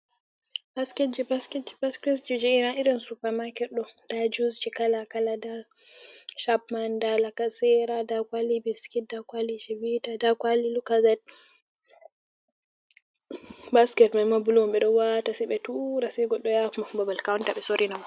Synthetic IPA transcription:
baskɛd͡ʒibaskɛd͡ʒibaskɛs̬d͡ʒud͡ʒɛinaʔiɾɔnsupamakɛɗɔd̥ad͡ʒuzd͡ʒikalakalada | ʃabmandalakasɛɾadakwalibiskit̚dakwalid͡ʒɛbitadakwalilukazɛd̚ | baskɛtmajmabulwmɓɛɗɔwatasɛɓɛtuɾasɛɡɔɗːɔjakumababalkawuntaɓɛsoɾinaw

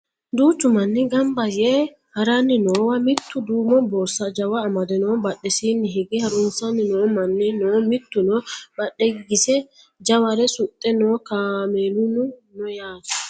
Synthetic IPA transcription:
d̪uːt̪ʊmɐnːɪɡɐmbɐje | hɐɾanːɪnoːwɐmɪt̪ːʊd̪uːmɔbɔːsɐd͡ʒɐwɐːmɐd̪ɛnoːbɐɗːɛsiːnːɪɦɪɡɪhɐɾʊnsɐnːɪnoːmɐnːɪnoːmɪt̪ːʊnɔbɐɗːɛɡɪɡɪsɛ | d͡ʒɐwɐɾɛsʊt̪ʼːɛnoːkaːmeːlʊnʊnɔjaːt̪ɐ̥

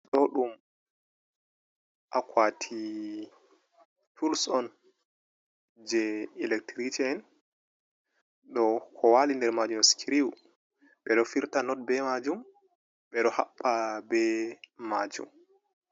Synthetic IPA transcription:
ɗɔɗum | ʔakʰwatʰi | tʰulsɔn | d͡ʒɛilɛk̚tɾit͡ʃiɛn | ɗɔkʰɔwalindɛɾmad͡ʒumskʰiɾiw | ɓɛɗɔfiɾtanɔt̚bɛmad͡ʒum | ɓɛɗɔha̰ɓːabɛmad͡ʒṵm

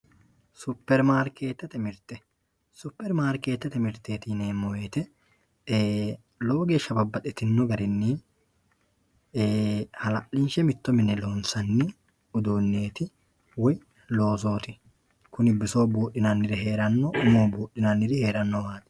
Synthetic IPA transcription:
sʊpːɛɾmaːɾkeːt̪ːɐt̪ɛmɪɾt̪ɛ | sʊpːɛɾmaːɾke̞ːt̪ːɐt̪ɛmɪɾt̪eːt̪iːneːmɔweːt̪ɛ | loːɡe̞ːʃːɐbɐbːɐt̪ɛt̪ɪnːɔɡɐɾɪnːiː | hɐlɐʔɪnʃɛmɪt̪ːɔmɪnɛlo̞ːnsɐnːɪ | ʊd̪oːnːe̞ːt̪ɪ | wɔ | lo̞ːso̞ːt̪ɪ | kʊnɪbːɪso̞ːbuːʔɪnɐnːɪɾɪhe̞ːɾɐnːɔʊmoːbuːʔɪnanːɪɾɪheːɾɐnːɔwaːt̪ɪ̥

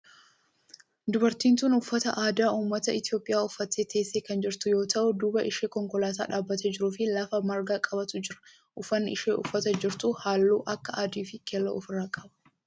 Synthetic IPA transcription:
d̪ʊbɐɾt̪iːnt̪uːnʊfːɐt̪ɐ̰ʔaːd̪aːʔuːmːɐt̪ɐɪt̪ɪjo̞ːpʼːɪjaːʊfːɐt̪ːeːt̪e̞ːsːeːkɐnd͡ʒɪɾt̪ʊjo̞ːt̪ɐʔʊd̪uːbɐʔɪʃeːkɔŋkɔlaːt̪a̰ːᶑaːbːɐt̪ɛd͡ʒɪɾʊfɪlɐfɐmɐɾɡaːkʼɐbɐt̪ʊd͡ʒɪɾɐ̥ | ʔʊfɐnːɪʔɪʃeːʔʊfːɐt̪ɐd͡ʒɪɾt̪ʊhaːlːuːʔɐkːɐʔaːd̪iːfɪkʰɛlːɐ̰ʊfɪrːaːkʼɐbɐ̥

